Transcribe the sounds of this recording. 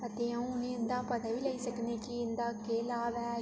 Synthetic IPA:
ɐt̪eːɦɐ̃ũʊnẽɪnd̪aːpɐt̪aʋiːlɐisɐknekiɪnd̪aːkeːlaːʋɛː

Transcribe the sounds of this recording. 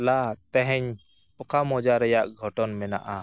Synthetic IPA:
lat̪ɛɦɛɲ | ɔkamɔd͡ʒaɾɛjaʔɡʱɔʈɔnmɛna̰ʔa

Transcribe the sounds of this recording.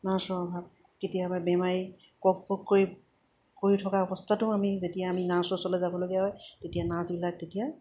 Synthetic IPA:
nasɔɔbʱab̚ | ketijababɛmaɹi | kɔk̚pɔkkːoɹi | koɹitʰɔkaɔbɔstʰatʊamizetijaːminãsɔsɔlɛzabɔloɡijaɦɔjtetijanãsbilak̚tetija

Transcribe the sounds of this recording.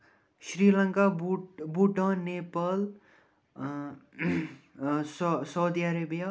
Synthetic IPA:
sɾilʌŋkabuʈʌ̃nepal | ssʌwd̪iaɾebija

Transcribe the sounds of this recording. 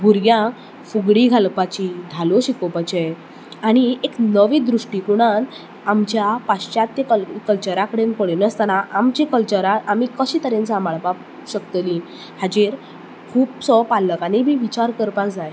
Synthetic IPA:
ɡʱuɾɡjã | fuɡɽiɡʱalpat͡ɕid̪ʱaloɕikopat͡ɕej | aɽ̃ieknəʋid̪ɾuʂʈikuɽ̃an | amt͡ɕjapaɕɕat̪ːekəlkəlt͡ɕəɾakəɽenpəɭnəst̪anaʔamt͡ɕekəlt͡ɕəɾaʔamikəɕiːt̪əɾensãmaɭpa | ɕəkt̪lĩ | had͡ʑeɾ | kʰuːpsɔpaləkanibʱiʋit͡ɕaɾkəɾpãkd͡zaj

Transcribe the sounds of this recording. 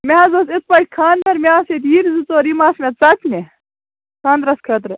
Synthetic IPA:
meɐzosɪt̪̚pɐʈ̚ʲkʰaːnd̪ɐɾmʲeaːset̪jiɾzut͡soːɾimaːsmʲet̪t͡sɐkne | kʰaːnd̪ɾɐskʰɐt̪ɾ

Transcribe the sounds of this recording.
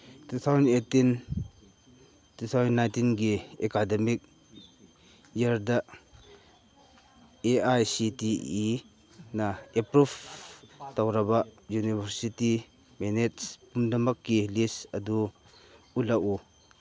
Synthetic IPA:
t̪ut̪ʰawzɐnetin | t̪ut̪ʰawzɐnːajntinɡiekademik̚ | jardaʔ | eʔajsitii | naɛpɾuf | t̪awɾɐbaʔjunibeɾsiti | mɛnɛtspumdɐmɐkːilisɐdu | ulaʔu

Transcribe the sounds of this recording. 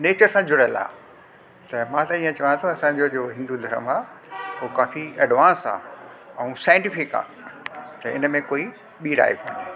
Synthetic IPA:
neːt͡ɕəɾsãd͡ʑʊɽəla̰ː | t̪ɐmãt̪ɐiːə̃t͡ɕɐʋãñt̪ʰõɐsãd͡ʑod͡ʑoːɦɪ̃nd̪ud̪ʱɐɾə̰maː | ɦoːkaːfiɛɖʋãːnsa̰ː | ɛ̃ũsaːjɪ̃ɳʈɪfɪka̰ː | t̪ɐɪ̰nmẽkoːi | ɓiːɾa̰ːjekõːn̆d̪eː

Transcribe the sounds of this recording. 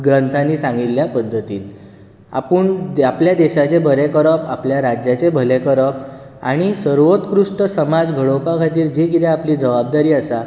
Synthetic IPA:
ɡɾənt̪ʰaniːsãŋɡiljapəd̪ʱːət̪iːl | a̰pəɳapljad̪eɕat͡ɕebʱəlekəɾəpapljaɾad͡ʑjat͡sebʱəlekəɾəp | a̰ɽ̃isəɾʋot̪kɾuʂʈəsəmad͡zɡʱəɭowpakʰat̪iːɾd͡ʑekit̪eapliːd͡zəʋabd̪aɾiːasa

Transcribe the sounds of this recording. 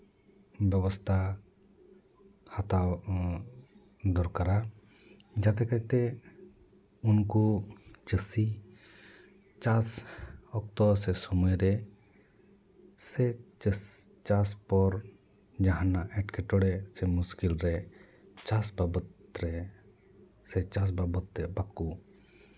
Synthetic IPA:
bjɛbɔst̪ʰa | hat̪a | d̪ɔɾkaɾa | d͡ʒat̪ɛkat̪ɛ | unkut͡ʃəsi | t͡ʃasɔk̚t̪ɔsɛsɔməjɾɛ | sɛt͡ʃəs | t͡ʃaspɔɾ | d͡ʒaɦanaʔɛʈkʰɛʈɔɽɛsɛmuskilɾɛ | t͡ʃasbabət̪ɾɛ | sɛt͡ʃas̬babɔt̪ːɛbakːu

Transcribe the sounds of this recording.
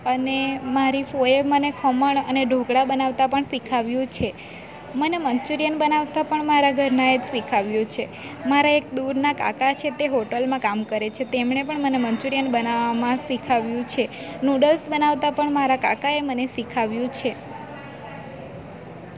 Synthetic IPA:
ənemaɾifoeʋmənekʰɔməɳəneɖʱoɡɽabənaʋt̪apəɳsikʰaʋjũt͡ʃʰe | məneməɲt͡ʃuɾijənbənaʋt̪apəɳmaɾaɡʱəɾnaet̪sikʰaʋjũt͡ʃʰe | maɾaek̚d̪uɾnaka̰kat͡ʃʰet̪eɦoʈəlmãkamkəɾet͡ʃʰet̪emɳepəɳməneməɲt͡ʃuɾijənbənaʋamãsikʰaʋjũt͡ʃʰe | nuɖəlsbənaʋt̪apəɳmaɾaka̰kaemənesikʰaʋjũt͡ʃʰe

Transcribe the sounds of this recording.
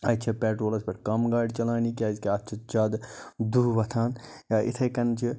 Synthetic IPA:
ɐt̪t͡ʃʰɐpeːʈɾoːlɐspɐʈkɐmɡaːɖt͡ʃɐlaːnikazkeɐtːt͡ʃʰɐt͡ʃaːd̪d̪uːʋɐt̪ʰaːnjaːʔit̪ʰɐjkɐnt͡ʃʰi

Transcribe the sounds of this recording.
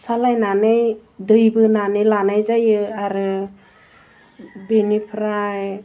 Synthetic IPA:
salajnanɯjdɯjbɯnanɯjlanajzajɯaɾɯ | benipʰɾaj

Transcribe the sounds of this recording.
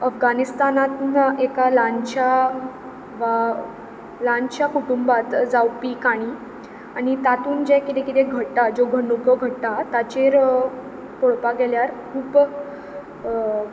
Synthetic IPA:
əfɡanist̪anat̪naʔekalant͡ɕa | ʋa | lãnt͡ɕjakuʈumbat̪d͡zawpikaɽ̃iː | aɽ̃it̪at̪uːnd͡ʑɛ̃kit̪ekit̪eɡʱəɽt̪ad͡zoɡʱəɳɖukəɡʱəʈt̪at̪at͡ɕeɾ | koɭpaɡɛljaɾkʰuːp

